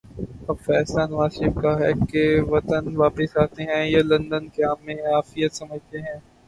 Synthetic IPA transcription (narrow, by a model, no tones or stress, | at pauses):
ɐbfɛːslanʋaːsɪfkaɦɛ̰keʋɐt̪ənʋaːpəsaːt̪eɦɛ̃jalɐ̃nd̪ənkeaːmːẽaːfijət̪sɐməd͡ʒʱt̪eɦɛ̃ː